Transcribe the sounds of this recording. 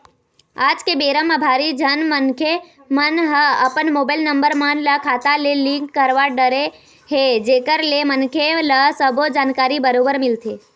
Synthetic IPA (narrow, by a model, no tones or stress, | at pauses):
ad͡ʒkebeɾəmãbʱaɾid͡ʒʱənmənkʰe | mənɦəəpənmobajlnəmbəɾmãnlakʰat̪alelĩŋkːəɾʋaɖəɾe | ɦed͡ʒekəɾlemənkʰeləsəbʱod͡ʒaːnkaɾibəɾobəɾmɪlt̪ʰe